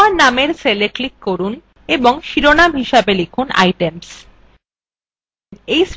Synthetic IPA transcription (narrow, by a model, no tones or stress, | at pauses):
aɾnameɾseleklikːoɾun | eboŋʃiɾonamɦiʃabelekʰuna̰jʈems | ejs